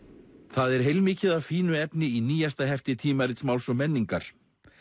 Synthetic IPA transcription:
θaðɛɾ̥ɦejlmiːcɪðaðfiːnʏɛpnɪiniːjast̪aɦɛft̪ɪt̪ʰiːmaɾɪt̪smawlsɔmɛnːiŋkaɾ̥

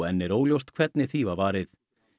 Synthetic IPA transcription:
ɛnːɪɾoːwljowst̪kʰv̥ɛt̪nɪθivavaːɾɪθ

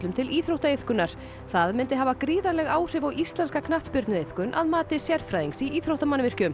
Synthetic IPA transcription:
lʏmt̪ʰɪliːθɾowht̪aejθkʏnaɾ̥ | θaðmɪnt̪ɪɦavakɾiːðaɾlɛɣaːwr̥ɪvawʔist̪lɛnskakʰnaht̪spʏɾt̪nʏejθkʏnʔaðmaːt̪ɪsjɛɾ̥fɾajðiŋsiiːθɾowht̪amanːvɪr̥cʏm

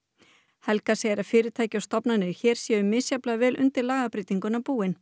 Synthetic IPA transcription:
hɛlkasɛɛɾafɪːɾɪt̪ʰaːjcɪawst̪ɔpnanʏçɛːɾ̥sjɛʏmːɪsjaplavɛːlʔʏ̰nt̪ɪɾlaːɣapɾɪːt̪iŋkʏnapuːɪn

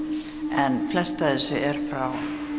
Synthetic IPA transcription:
ɛnflɛst̪aðɪsʏʔɛɾ̥fɾaw

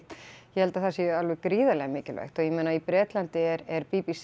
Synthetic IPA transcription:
t̪jɛhɛlt̪aθasjɛalvɛkɾiːðalɛɣamɪːcɪlvɛ̰jxt̪ɔɣjɛmẽːnaipɾɛːt̪lant̪ɪɛɾɛɾpipis

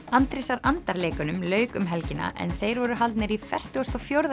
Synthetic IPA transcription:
ant̪ɾɪsaɾant̪aɾleːkʏnʏmlœːɥkʏmɦɛlcɪna̰ʔɛ̰nθejɾvɔɾʏɦalt̪nɪɾifɛ̰r̥t̪ʏɣɔst̪ɔfjowɾða

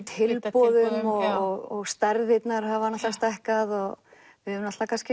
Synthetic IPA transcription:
t̪ʰhɪlpɔðʏmɔɣɔɣst̪aɾðɪt̪naɾɦavanat̪ast̪aɛhkaðɔɣ | vɪɛʏmnat̪lvakʰanscɪ

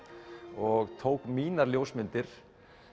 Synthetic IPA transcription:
ɔɣt̪ʰoːwkmiːnaɾljoːwsmɪnt̪ɪɾ̥

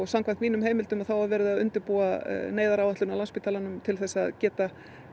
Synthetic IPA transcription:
samkʰvant̪viːnʏmheːjmɪlt̪ʏmaðθawhavvɛːɾɪðaðʏnt̪ɪɾpuːa̰neːjðaɾawɛht̪lʏnawlanspɪt̪ʰaːlanʏmt̪ʰɪlθɛsːaðcɛːt̪a

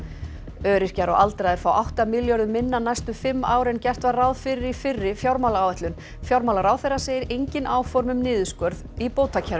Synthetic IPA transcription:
œːɾɪr̥caɾɔ̰ɣʔalt̪ɾajðɪɾ̥faːwʔawht̪amɪljɔɾðʏmːɪnːanajst̪ʏfɪmːaːwɾɛncɛr̥t̪varawðfɪɾɪɾifɪrːɪfjawɾmawlaaːwvɛht̪lʏn | fjawɾmawlaɾaːwθɛrːaseːjɪɾejɲcɪnʔaːwfɔɾmʏmnɪːðʏskœɾðipoːwt̪ʰːacʰaɾ

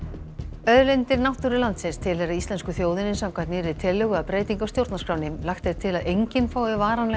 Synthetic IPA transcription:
œðlɛjnt̪ɪɾnaht̪uɾɪlant̪sɪnst̪ʰɪlhɛɾaist̪lɛnskʏθjoːwðɪnɪsawkvajt̪nɪːɾɪ̥t̪ʰɪlːʏɣʏapɾeːjt̪iŋkawst̪jowɾt̪naskɾawnɪmlaxt̪θejðt̪ʰɪlaðejɲcɪnfaːwɪvaːɾanlɛ

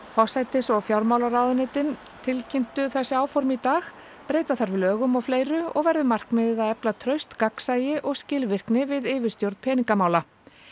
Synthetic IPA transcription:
fɔsajt̪ɪsɔɣfjawɾmaːwlaɾaːwðʏnɪːt̪ɪn | t̪ʰɪlcʰɪn̥t̪ʏθɛsːɪaːwfɔɾmɪit̪aːx | pɾeːjt̪aθaɾvɪlœːɣʏmawfleːjɾʏɔ̰ɣvɛɾðʏmar̥kmɛðɪðaðɛplat̪ʰɾœɥst̪kaksaːjɪʔɔɣscɪːlvɪr̥knɪvɪðɪːvɪ̥st̪jowɾt̪pʰɛːniŋkamaːwla

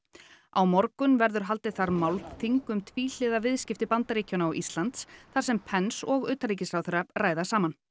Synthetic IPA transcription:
awmɔɾkʏnvɛɾðʏɾ̥ɦalt̪ɪθaɾmawlθiŋkʏmt̪ʰviːl̥ɪːðavɪðscɪft̪ɪpant̪aɾiːcɔnaawʔist̪lant̪sθaɾ̥sɛmpʰɛnsɔɣʏːt̪aliːc̬ɪsɾawθʏɾapraːjðasaːman

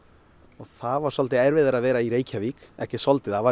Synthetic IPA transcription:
ɔɣθaðvaɾ̥sɔlt̪ɪajɾvɪðaɾaðvɛːɾaiɾeːjcʰavikɛ̰hcɪsɔlt̪ɪθava

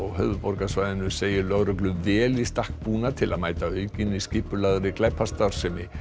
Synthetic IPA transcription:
ɔɣɦœːvʏpɔɾkasvajðɪnʏseːjɪlœɣɾœklʏmvɛːlist̪ahk̚puːnat̪ʰɪlaðmaːjt̪aœɥcɪniscɪhpʏlaðɾɪklajpʰːast̪aɾ̥sɛmɪ

